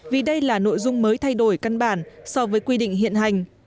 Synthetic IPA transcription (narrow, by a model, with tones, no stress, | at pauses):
vi˨˩ɗə˧jlaː˨˩no̰˧˨jzʊ˧ŋ͡mməː˨˦jt̪ʰa˧jɗo˧˩jka˧nɓaː˧˩nsɔ˧vəː˨˦jkwi˧ɗḭ˧˨ŋ̟ɦḭ˧˨ənɦa˨˩jŋ̟